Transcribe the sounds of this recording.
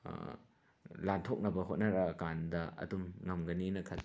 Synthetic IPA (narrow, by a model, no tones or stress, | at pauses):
lantʰok̚nɐbɐɦot̚nɐɾɐkandɐɐ̰dumŋɐmɡɐninɐkʰɐl